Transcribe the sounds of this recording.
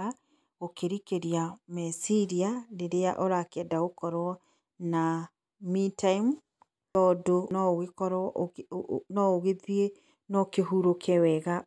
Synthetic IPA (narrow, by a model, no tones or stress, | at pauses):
a | okeɾikeɾiamɛsiɾianeɾeaʔoɾakɛdaokɔɾwɔ | na | mitaim | tɔːdonɔoɣekɔɾɔ | nɔoɣeðie | nɔkeɦuɾokʰɛwɛɣa